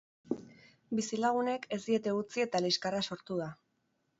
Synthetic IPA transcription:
bisilaɣ̞une̞kʰe̞zd̪ie̞t̪e̞ut͡sie̞t̪aliskaraso̞ɾt̪uða

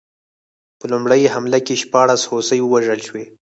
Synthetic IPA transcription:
pəlʊmɽəjɦamlakeʃpɑɽashosəjwəwaʒəlʃwe

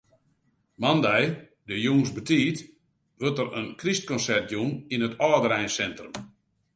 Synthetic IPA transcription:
mandɛj | dəjuŋsbətiːt | ʋøtərənkrist̚kɔnsɛrt̚juninətɔːdəɾɛjnsɛntrəm

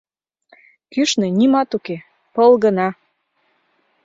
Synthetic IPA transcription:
kyʃnenimɑt̪uke | pɤlɣənɑ

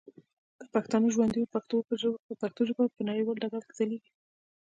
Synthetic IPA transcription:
d̪̥əpaxt̪ɑnəʒwand̪ijopaxt̪opəʒəpaxt̪oʒəbapənaɽiwɑlɖaɡalzaleɡi

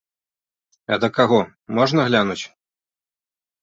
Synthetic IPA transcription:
ɐ̰d̪ɐkaɣɔ | mɔʐnɐɣlʲanut͡sʲ

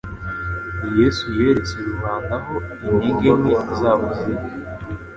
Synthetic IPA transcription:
jesuje̞ːɾet͡seɾuβaːndaɦo̞iɲiːŋɡemweizaːβuzeβe

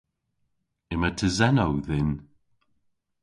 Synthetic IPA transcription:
ɪmətʰəzɛnowðɪn

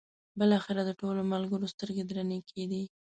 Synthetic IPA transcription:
bəlɑxɪɾad̪əʈolomalɡəɾost̪əɾɡed̪ɾanekʰed̪i

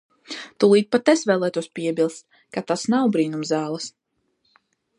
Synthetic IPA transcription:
t̪ulˠiːt̪̚pat̪esvɛːlˠɛːt̪uɔspʲiɛbʲilˠst̪̚ | kat̪asnawbɾiːnumzaːlˠɐs

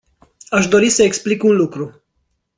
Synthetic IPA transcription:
aʃd̪o̞ɾisəeksplikunlukɾu

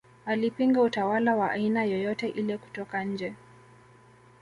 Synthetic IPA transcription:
alipiŋɡautawalawaʔa̰inajɔjɔtɛʔilɛku̥tɔkaɲ̩d͡ʒɛ

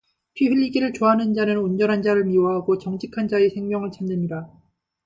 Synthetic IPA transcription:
pʰiɥiʎːiɡiɾɯɭt͡ɕoɦanɯnd͡ʑanɯnund͡ʑʌnɦand͡ʑaɾɯɭmioɦaɡot͡ɕʌŋd͡ʑʰikʰand͡ʑaesʰe̞ŋmjʌŋɯɭt͡ɕʰanːɯɲiɾa

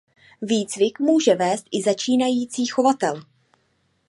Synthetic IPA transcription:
viːt͡svɪkmuːʒɛvɛːst̪ʔɪzat͡ʃiːnajiːt͡siːxo̞vat̪ɛl

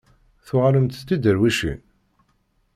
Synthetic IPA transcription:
θʊʁaləmt̪θt̪ːid̪əɾwiʃḭn

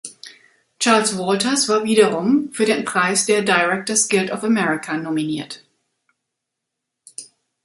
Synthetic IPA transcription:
t͡ʃaɐlswɔltɐsv̥aːɐviːdɐʁʊmfyːɐdeːnpʁ̥aɪsd̥eːɐdaɪʁɛk̚tɐsɡ̥ɪltɔfəmɛʁɪkʰanɔminiːɐt

